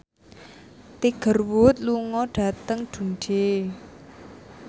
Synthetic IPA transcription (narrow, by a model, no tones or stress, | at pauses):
t̪iɡ̥ə̤rwut̪̚luŋɔɖ̥ä̤t̪əŋd̥unɖ̥e